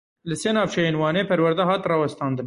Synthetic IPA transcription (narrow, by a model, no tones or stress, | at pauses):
lɨsenɑːvt͡ʃʰɛjeːnwɑːneːpʰɛɾwɛɾd̪ɛɦɑːt̪rɑːwɛst̪ɑːnd̪ɨn